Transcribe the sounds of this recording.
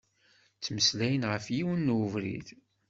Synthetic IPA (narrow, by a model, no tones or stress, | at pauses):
t͡sːməslæjənʁəfjiwənːuvɾḭð